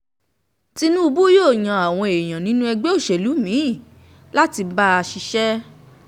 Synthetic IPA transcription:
ti˧nũ˦u˧bu˦joː˦˨j̃ã˨a˨w̃ɔ̃˧e˨j̃ã˨nĩ˨˦nũ˦ɛ˧ɡ͡be˦o˦˨ʃe˨lu˨˦mĩ˨˦i˦˨ | la˦ti˧ba˦a˧ʃi˧ʃɛ˦

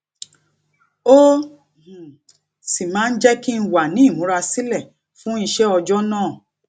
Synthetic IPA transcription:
õ˦˨ | si˨mãː˨˦n̩˦d͡ʒɛ˦ki˦n̩˦wa˨nĩ˨˦˨mũ˨˦ɾa˧si˦lɛ˦˨ | fũ˦i˧ʃɛ˦ɔ˧d͡ʒɔ˦nãː˦˨

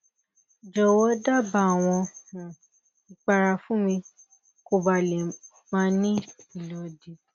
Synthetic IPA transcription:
d͡ʒɔ˨wɔ˦da˦˨ba˧˦˨w̃ɔ̃˧hũ˨ | i˨k͡pa˧ɾa˧fũ˦mĩ˧ | ko˧ba˨lɛ˨ | mã˦nĩ˦i˨lɔ˨˧˦di˨˦

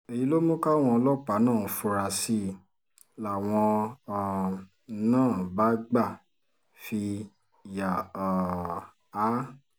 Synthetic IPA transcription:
e˨ji˨˦lo˦mo˦ka˦˨w̃ɔ̃˧ɔ˧lɔ˦k͡pa˨˦nãː˦˨fu˧ɾa˧si˦ | la˨w̃ɔ̃˧˨ | nãː˦˨ba˨˦ɡ͡ba˦˨ | fi˧ | ja˨ | a˨˦

